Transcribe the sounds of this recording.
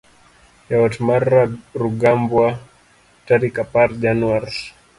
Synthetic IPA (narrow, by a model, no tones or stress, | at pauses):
jawatmaraɾuɡambwa | taɾikapaɾd͡ʒanuaɾ